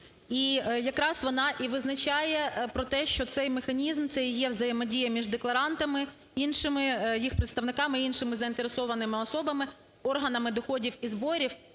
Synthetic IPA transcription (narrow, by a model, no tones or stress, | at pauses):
ijɐkɾɑsʋɔnɑʔiʋɪznɐt͡ʃɑjɛpɾɔt̪ɛʃt͡ʃɔt̪sɛjmexɐnʲizmt̪sɛjjɛʋzɐjemɔdʲijɐmʲiʒd̪eklˠɐɾɑnt̪ɐmɪ | inʃɪmɪjixpɾet̪st̪ɐʋnɪkɑmɪinʃɪmɪzɐint̪eɾesɔʋɐnɪmɪɔsɔbɐmɪ | ɔrɦɐnɐmɪd̪ɔxɔdʲiwizbɔɾʲiw